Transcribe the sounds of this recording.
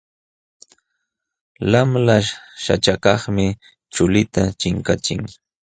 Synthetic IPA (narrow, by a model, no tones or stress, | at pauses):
lamlaʃa̰t͡ʃakɑχmɪ | t͡ʃʊlɪt̪at͡ʃɪŋkat͡ʃɪŋ